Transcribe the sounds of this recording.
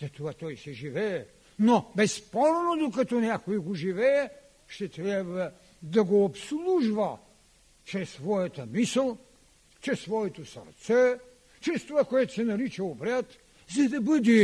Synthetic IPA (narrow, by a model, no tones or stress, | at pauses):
zɐt̪ovat̪ɔjsɛʒivɛɛ | nobɛsːpɔɾnod̪okɐt̪ɔnʲjakojɛɡoʒivɛɛ | ʃt̪ɛt̪ɾʲjabvə | d̪ɐɡoːpslˠuʒvə | t͡ʃɾɛsːvɔjɐt̪əmisəlˠ | t͡ʃɾɛsːvɔɛt̪osɐ̰ɾt̪sɛ | t͡ʃɾɛst̪ovakoɛt̪ʊ̥sɛnɐɾit͡ʃɛobɾʲat̪ | zɐd̪ɐbəd̪i